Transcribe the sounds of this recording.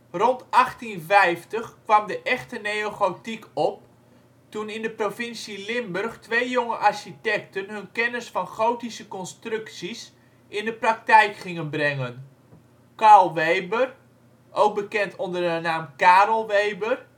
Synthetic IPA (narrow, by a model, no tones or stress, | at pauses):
rɔntɑχtinvɛjftəχkʋɑmdəʔɛχtənejoχowtikʰɔp̚ | tunɪndəprovɪnsilɪmbørχtʋejjoŋəʔarʃitɛk̚tənɦɵnkɛnəsfɑnχowtisəkɔnstrɵksis | ʔɪndəprak̚tɛjkχɪŋənbrɛŋən | kaːlˠʋejbər | ʔowk̚bəkɛntondərdənaːmkaːɾəlˠʋejbər